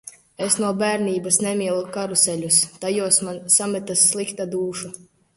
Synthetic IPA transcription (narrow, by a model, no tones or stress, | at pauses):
esnuɔbæːɾnʲiːbasnɛmʲiɛlˠukaɾusɛlʲust̪ajuɔsmansamɛt̪asːlˠikt̪ad̪uːʃu